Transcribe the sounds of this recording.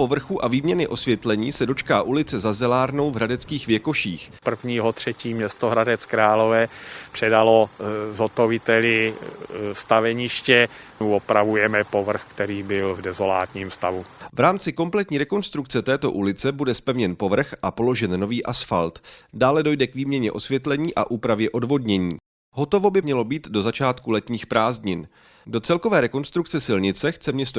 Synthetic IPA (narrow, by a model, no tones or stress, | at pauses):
po̞vr̩xuʔaviːmɲɛnɪʔo̞svjɛt̪lɛɲiːsɛdo̞t͡ʃkaːʔulɪt͡sɛzazɛlaːɾno̞wvɦɾadɛt͡skiːxvjɛko̞ʃiːxpr̩vɲiːɦo̞t̪r̝̥ɛciːmɲɛst̪oɦɾadɛt͡skɾaːlo̞vɛːpr̥ɛdalozot̪ovɪt̪ɛlɪ | st̪avɛɲɪʃcɛ | uopɾavujɛmɛpovr̩xkt̪ɛɾiːbɪlvdɛzo̞laːt̪ɲiːmst̪avuvɾaːmt͡sɪko̞mplɛt̪ɲiːɾɛko̞nst̪ɾuk̚t͡sɛt̪ɛːt̪o̞̰ʔulɪt͡sɛbudɛspɛvɲɛnpo̞vr̩xʔapo̞lo̞ʒɛnːo̞viːʔasfa̰lt̪daːlɛdo̞jdɛkviːmɲɛɲɛʔo̞svjɛt̪lɛɲiːʔa̰ʔuːpɾavjɛʔo̞dvo̞dɲɛɲḭː | ɦo̞t̪o̞vo̞bɪmɲɛlo̞biːt̪do̞zat͡ʃaːt̪kulɛt̪ɲiːxpɾaːzɲɪn | do̞t͡sɛlko̞vɛːɾɛko̞nst̪ɾuk̚t͡sɛsɪlɲɪt͡sɛxt͡sɛmɲɛs̬t̪o